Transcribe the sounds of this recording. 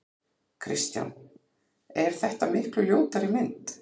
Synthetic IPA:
kʰɾɪ̰st̪ja̰wn | ɛɾ̥θɛht̪amɪhklʏljoːwt̪aɾɪmɪnt̪

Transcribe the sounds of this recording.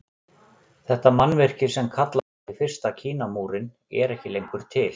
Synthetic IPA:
θɛht̪amanːvɪr̥cɪ̥sɛmkʰat̪la | ifɪr̥st̪acʰiːnamuːɾɪn | ɛ̰ɾɛhcɪlejŋkʏɾ̥t̪ʰɪl

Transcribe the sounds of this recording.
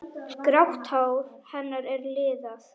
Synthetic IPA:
kɾawkt̪haːwɾ̥hɛnːaɾɛɾlɪːðaθ

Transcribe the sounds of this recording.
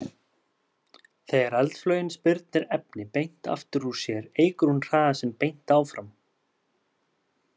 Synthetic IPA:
θɛɣɛɾalt̪flœːɥjɪnspɪɾt̪̚nɪɾɛp̚nɪpejn̥t̪a̰ft̪ʏɾ̥usjɛɾeːjkʏɾ̥hunr̥aːðasɛmpejn̥t̪aːwfɾam

